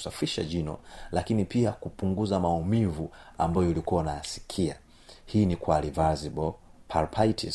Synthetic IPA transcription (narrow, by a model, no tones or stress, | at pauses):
safiʃa̰ʄinɔ̰lakinipiakupuŋɡuzamaumivuambajɔilikuwanajasi̥kʰia̰ | hiːnikwalivazibɔpʰalpʰaitʰḭ